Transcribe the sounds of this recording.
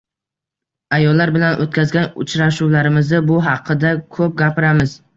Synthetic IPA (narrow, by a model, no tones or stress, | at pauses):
ajɒlːaɾbɪlanʔot̪kʰʲazɡʲanʊ̰t͡ʃʰɾaʃuwlaɾɪmɪzɪbʊɦɑqʰːɨd̪akʰɵp̚ɡʲapɪɾamɪz̥